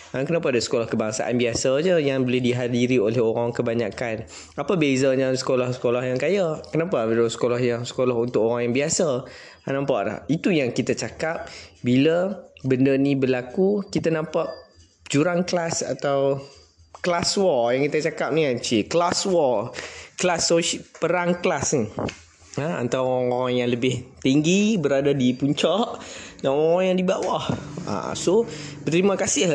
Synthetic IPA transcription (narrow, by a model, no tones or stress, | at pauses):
əkənapaadasə̥kolɔhkəbaŋsa̰ʔa̰nbiasad͡ʒəjaŋbəlehdiɦadiɾiolɛhoɾaŋkəbaɲakan | apabezaɲãsə̥kolɔhsə̥kolɔhjaŋkajakənapabdasə̥kolɔhjaŋsə̥kolɔɦunt̪ʊkoɾaŋjaŋbiasa | nãmpaʔla̰hit̪ujaŋkit̪at͡ʃakap̚biləbəndənibəlakukit̪anãmpaʔ | d͡ʒuɾaŋklasa̰t̪aw | klaswɔjaŋkit̪at͡ʃakap̚niat͡ʃiklaswɔklasoʃpəɾaŋklasni | aa̰nt̪awɔaaŋjaŋləbɪht̪iŋɡibəɾadadipuɲt͡ʃɔʔnaʔoaŋjaŋdibawaha̰sobət̪əɾimãkasɪh